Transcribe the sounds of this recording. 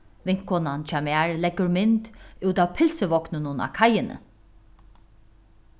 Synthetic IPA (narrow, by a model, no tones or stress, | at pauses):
ʋɪŋ̥kɔnant͡ʃamaːɹlɛɡʊɹmɪnt̪ʉːt̪awpʰɪlsəʋɔknənʊna̰ːkʰajɪnə̰